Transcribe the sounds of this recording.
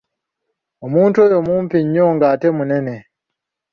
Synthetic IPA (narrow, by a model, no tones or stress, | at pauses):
umuːntuojomumpiɲːɔŋɡaːtemunene